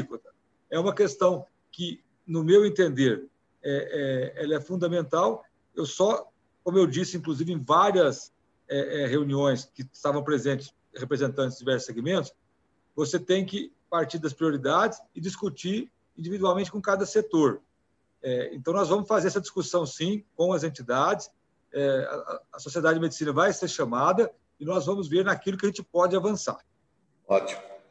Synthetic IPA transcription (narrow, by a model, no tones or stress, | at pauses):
ikt̪ɐ | ɛũmɐkest̪ɐ̃w̃ | kɪ | nʊmewẽnt̪ẽnd̪eɾ | ɛɛɛlɐɛfũnd̪ɐmẽnt̪aw | ewsɔ | kõmʊewd͡ʒisɪĩŋkluzivɪẽj̃vaɾiɐs | ɛʔɛɦeũniõj̃skɪst̪avɐ̃w̃pɾezẽnt͡ʃ̪ɪ̥s | hepɾezẽnt̪ɐ̃ɪzd͡ʒivɛɾsʊ̥seɡimẽnt̪ʊ̥s | voset̪ẽj̃kɪpaɾt͡ʃiɾd̪ɐs̬pɾioɾid̪ad͡ʒɪsɪd͡ʒiskut͡ʃiɾ | ĩnd͡ʒivid̪uawmẽnt͡ʃɪkõkad̪ɐset̪oɾ | ɛḛ̃nt̪ɐ̃w̃nɔzvɐ̃mʊsfazeɾɛsɐd͡ʒiskusɐ̃w̃sĩkõw̃ɐzẽnt͡ʃid̪ad͡ʒɪs | ɛɐ̰ɐ̰ɐsosied̪add͡ʒɪd͡ʒɪmed͡ʒisĩnɐvajseɾʃɐ̃mad̪ɐ | ɪnɔzvɐ̃mʊzveɾnakilʊkɪɐʒẽnt͡ʃɪpɔd͡ʒɪavɐ̃sa̰ɾ | ɔt͡ʃimʊ